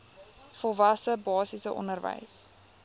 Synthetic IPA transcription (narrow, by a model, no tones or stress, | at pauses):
fɔlˠvɐsəbɑːsisəʔɔ̰nərvə̰js